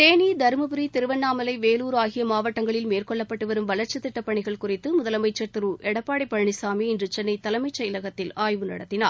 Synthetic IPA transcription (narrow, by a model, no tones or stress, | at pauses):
t̪eːnid̪ɐɾɯmɯbɯɾit̪ɪɾɯʋɐnːaːmɐlɐɪʋeːluːɾaːɣɪjɐmaːʋɐʈːɐŋɡɐɭɪlmeːrkɔɭːɐpːɐʈːɯʋɐɾɯmʋɐlɐɾt͡ʃːɯt̪ːɪʈːɐpːɐɳɪɣɐɭkʊrɪt̪ːɯmʊðɐlɐmɐɪt͡ʃːɐt̪ɪɾuːʔɛɽɐpːaːɽɐɪpːɐɻɳɪsaːmiɪndrɯt͡ʃɛnːɐɪt̪ɐlɐmɐɪt͡ʃːɐɪlɐɣɐt̪ːɪlaːjʋɯnɐ̰ɽɐt̪ːɪnaːɾ